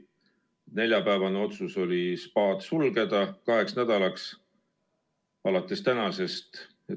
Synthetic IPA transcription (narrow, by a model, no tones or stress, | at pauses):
et̪ne̞lʲjɑpæːvɑneo̞t̪suso̞lʲispɑːd̪sulɡe̞d̪̥ɑkɑɦe̞ksnæd̪̥ɑlɑks | ɑlɑt̪ːˑe̞st̪ænɑse̞st̪ | e